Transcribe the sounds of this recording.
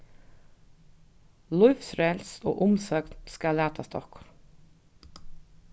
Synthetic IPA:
lʊʏfsɾɛlso̰ːʔʊmsœknskalæːt̪ʰast̪ʰɔ̰hk

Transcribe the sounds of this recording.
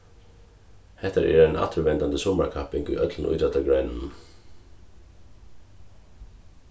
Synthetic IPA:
hɛht̪aɾʔɛ̰ːɾɛna̰t̪ʰʏɾʋɛnt̪ant̪əsɔmakʰapɪŋkʏ̰jʔœt̪lən̩ʊ̰jt̪ɾat̪ːaɡɹœjnn̩

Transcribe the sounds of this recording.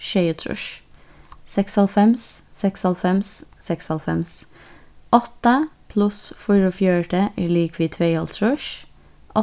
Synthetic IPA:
ʃeɪʉt̪ʰɾʉ̰ʃ | sɛkshɑlfɛmssɛkshɑlfɛmssɛkshɑlfɛms | ʔɔt̪əpʰlʉsfʊɾɔfjœːʈəʔæliːkʰʋiːt̪ʰʋeɪɔlt̪ʰɾʉʃ | ʔɔ

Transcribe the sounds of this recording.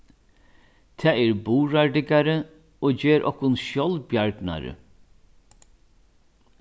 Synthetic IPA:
t̪ʰɛːɛɾbuːɹaɹɖɪkaɾə | oːd͡ʒeːɾʔɔ̰hkʊnʃjɔlbjaɹɡna̰ɾə̰

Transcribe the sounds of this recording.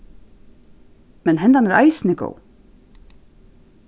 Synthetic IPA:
mɛnɦɛnt̪anɛɾʔa̰jsɪnɪko̰w

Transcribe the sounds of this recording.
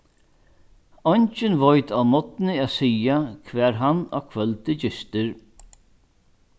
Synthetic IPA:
ɔɲt͡ʃɪnvɔjt̪awmɔt̪nɪaːðsiːakʰvɛːɾɦana̰kʰvœlt̪ɪd͡ʒɪst̪ɪɾ

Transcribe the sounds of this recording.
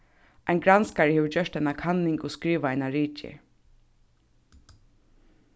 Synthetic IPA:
aɪjnɡɾanskaɹɪheːʋɪd͡ʒœʂt̪ajnakʰanːɪŋkɔskɾiːʋaajnaɹiːt͡ʃɪ̰

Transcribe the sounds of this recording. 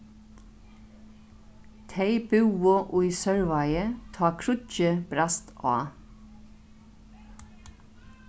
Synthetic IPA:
t̪ʰeɪbʉwʊʔʊjsœɹʋajət̪ʰɑːkʰɾʊcəb̥ɾast̪ɑ̰ː

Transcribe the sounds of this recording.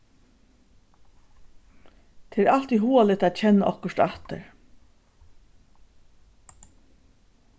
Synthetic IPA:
t̪ʰeːɾalt̪iɦuːalɪt̪aːt̪t͡ɕʰɛnːaʔɔhkəʂt̪aht̪ə̰ɹ

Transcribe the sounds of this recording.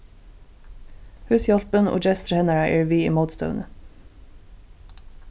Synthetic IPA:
hʉːsjɑlpənʔo̰ːd͡ʒɛst̪ɾhɛnəɹəʔiːɹʋiːḭːməʊd̪st̪ə̰ʊnə

